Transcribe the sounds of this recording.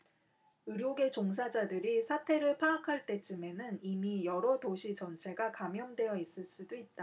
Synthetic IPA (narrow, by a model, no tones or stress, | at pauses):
ɯɾjoɡe̞t͡ɕoŋs̬ʰad͡ʑadɯɾisʰatʰe̞ɾɯɭpʰaːkʰaɭt͈e̞t͡ɕɯme̞nɯnimijʌɾʌdoɕʰit͡ɕʌnt͡ɕʰe̞ɡakamjʌmdwe̞jʌis͈ɯɭs͈udoit̚t͈a